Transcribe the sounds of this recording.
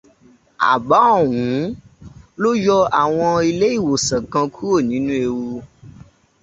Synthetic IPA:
a̰˨ba˨˦˨wũ˨˦ | lo˦jɔ˦a˨w̃ɔ̃˧i˧le˦i˦˨wo˨sɛ̃˨kã˧kʰu˦o˦˨nĩ˨˦nũ˦e˧wo˧

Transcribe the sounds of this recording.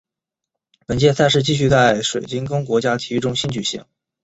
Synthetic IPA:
pə˨˩nt͡ɕjɛ˥˧sa˥˧ʂ̬ɻ̩˥˧t͡ɕi˥˧ɕ̬y˥˧t͡sa˥˩ɪʂwe˨˩ɪt͡ɕi˥nkɤ˥ŋk̬wɔ˧˥t͡ɕja˥t̪ʰi˧˥˧ʈ͡ʂʊ˥ŋɕi˥nt͡ɕy˨˩ɕḭ˧˥˩ŋ

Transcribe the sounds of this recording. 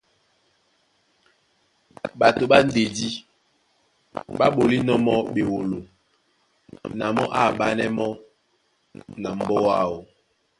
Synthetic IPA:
ɓa˨to˨ɓa˦n̩˦de˨di˦ | ɓa˦ɓo˨li˦nɔ˦mɔ˦ɓe˨wo˨lo˨ | na̰˨mɔ̰˦ʔa̰˦˨ɓa˦nɛ˦mɔ˦ | na˨m̩˦bɔ˦wa˦˨wo˨

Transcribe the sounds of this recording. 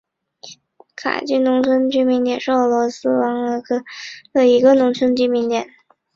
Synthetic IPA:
kʰa̰˨˩t͡ɕy˥˩nʊ˧˥ŋt͡sʰwə˥nt͡ɕy˥mi˧˥ŋt̪jɛ˨˩nʂɻ̩˥˩ɤ˨˩lwɔ˧˥sɹ̩˥wɑ˧˥ŋ˧˥kd̪ə˧i˧˥ɡə˧nʊ˧˥ŋt͡sʰwə˥nt͡ɕy˥mi˧˥nt̪jɛ˨˩˦n

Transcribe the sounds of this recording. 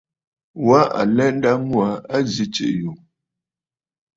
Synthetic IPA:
wa˦ʔa̰˨lɛ˦n̩˦da˦mwa˨˦a˦zi˦t͡ʃḭ˨ʔju˨

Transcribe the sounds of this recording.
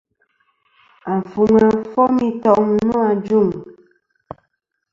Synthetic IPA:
a˨fu˨ŋa˨fɔ˦mi˦tɔ˦˨ʔŋ˦nu˦a˨d͡ʒu˦˨m

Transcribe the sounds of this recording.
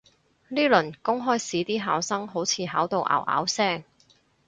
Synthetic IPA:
liː˥lɵ˨˩nkʊ˥ŋɦɔː˥jsiː˨˥t̪iː˥ɦaː˨˩wsɐ˥ŋɦo˨˥wt͡sʰiː˨˧ɦaː˨˥wt̪o˨wʔa̰ː˨˩wʔa̰ː˨˥wsɛː˥˩ŋ

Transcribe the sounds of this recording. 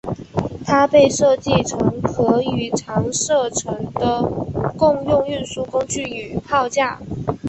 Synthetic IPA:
t̪ʰa˥pe˥˧ɪʂɤ˥˧t͡ɕi˥˩ʈ͡ʂʰɤ˧˥ŋxɤ˧˥y˧˥˩ʈ͡ʂʰɑ˧˥ŋʂɤ˥˩ʈ͡ʂʰɤ˧˥ŋd̪ə˧kʊ˥˧ŋjʊ˥˧ŋy˥˧nsu˥˩kʊ˥ŋt͡ɕy˥˩y˨˩pʰɑ˥˧ʊt͡ɕja˥˩

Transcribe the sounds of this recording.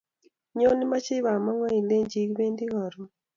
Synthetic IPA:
ɲo˦ni˦ma˦t͡ʃɪ˦βa˨mɔ˦ŋɔ˦i˨le˦ɲd͡ʒi˦kbe˦ndi˦ɣɔ˨ɾɔ˨

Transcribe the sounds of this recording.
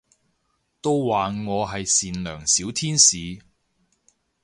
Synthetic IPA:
t̪o˥wwaː˨ŋɔː˨˧ɦɐ˨jsiː˨nlœː˨˩ŋsiː˨˥wt̪ʰiː˥nsiː˨˧

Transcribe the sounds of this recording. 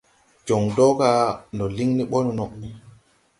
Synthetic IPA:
d͡ʒɔ˨ŋdɔ˦ɡa˨nɔ˨li˦ŋni˦ɓɔ˦nnɔ˨

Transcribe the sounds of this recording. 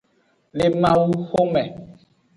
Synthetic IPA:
le˨mã˨wu˦xo˦mɛ˨

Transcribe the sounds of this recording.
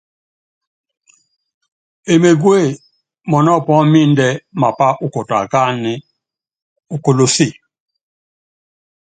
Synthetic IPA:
e˨me˨ɡwe˦˨ | mɔ˨nɔ˦˨pɔ˦mi˦ndɛ˦ma˨pa˦ʔu˦ko˨ta̰˨ka˦n˦ | u˨ko˨lo˨si˦˨

